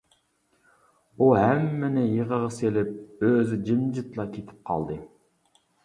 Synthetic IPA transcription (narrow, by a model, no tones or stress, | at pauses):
uɦæmːɛnɪjəʁəʁɑselɪp̚øzyd͡ʒɪmd͡ʒɪt̪lˠɑkʲʰet̪ʰɪ̥p̚qʰɑ̰lˠd̪ɨ